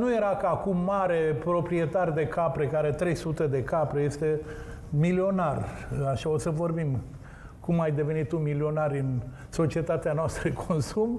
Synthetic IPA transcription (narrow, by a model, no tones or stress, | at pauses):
nuje̞ɾakəakumːaɾe̞pɾo̞pɾie̞t̪ard̪e̞kapɾekaɾe̞t̪ɾe̞jsut̪e̞d̪e̞kapɾeje̞st̪e̞ | milio̞naraʃao̞səvo̞rbim | kumajd̪e̞ve̞nit̪ːumilio̞naɾʲɨn | so̞t͡ʃie̞t̪at̪eanoast̪ɾəkʰonsum